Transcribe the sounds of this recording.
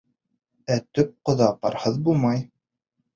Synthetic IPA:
æt̪ɵp̚qŏðɑpɑ̰ɾhɤðbulˠmɑj

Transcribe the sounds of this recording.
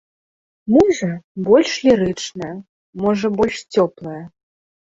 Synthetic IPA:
mɔʐɐbɔlʲʂlʲiɾɨt͡ʂnɐ | mɔʐɐbɔlʲʂt͡sʲɔplˠɐjɐ

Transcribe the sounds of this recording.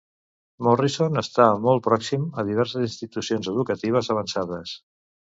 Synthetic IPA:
mɔrisonəst̪amɔl̚ˠpɾɔksiməð̞iβ̞ɛɾs̬əzinst̪it̪usionzəð̞ukət̪iβ̞əzəβ̞ənsaðəs

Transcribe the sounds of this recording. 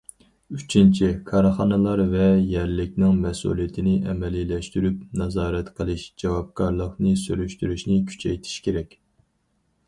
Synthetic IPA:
yt͡ʃʰint͡ʃʰikʰɑɾχɑnɨlˠɑɾvɛjɛɾlɪkʲnɪŋmɛsṵlˠijɪt̪ʰɪnɪʔɛmɛlilɛʃt̪yɾyp̚nɑzɑːɾɛt̪qʰəlˠɨʃd͡ʒɑwɑp̚kʰɑɾlˠəqnɨsyɾyʃt̪yɾyʃnɪkʲʰy̥t͡ʃʰɛjt̪ʰi̥ʃkʲeɾɛkʲ

